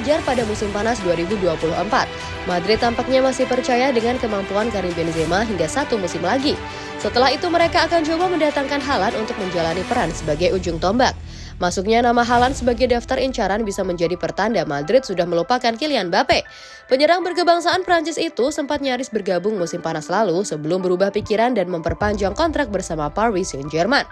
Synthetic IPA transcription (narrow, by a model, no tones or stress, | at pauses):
d͡ʒarpadamusɪmpanasduaɾibuduapuluɦəmpat̪̚ | madɾɪt̪ːampak̚ɲamasɪhpərt͡ʃajadəŋankəmampuankaɾibɛnzemaɦiŋɡasat̪umusɪmlaɡi | sət̪əlahɦit̪uməɾekaːkant͡ʃobaməndat̪aŋkanɦalanunt̪ʊk̚məɲd͡ʒalanipəɾansəbaɡajud͡ʒʊŋt̪ɔmbak̚ | masuk̚ɲanamaɦalansəbaɡajdaft̪aɾiɲt͡ʃaɾanbisaməɲd͡ʒadipərt̪andamadɾɪt̪̚sudahməlupakankilianbape | pəɲəɾaŋbərkəbaŋsaːnpəɾaɲt͡ʃɪsit̪usəmpat̪̚ɲaɾɪsbərɡabʊŋmusɪmpanaslalusəbəlʊmbəɾubahpikiɾandanməmpərpaɲd͡ʒaŋkɔnt̪ɾak̚bərsamaparwisund͡ʒɛrman